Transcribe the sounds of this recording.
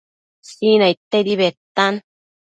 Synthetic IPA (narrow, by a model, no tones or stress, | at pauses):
sinait̪ːed̪iβet̪ːan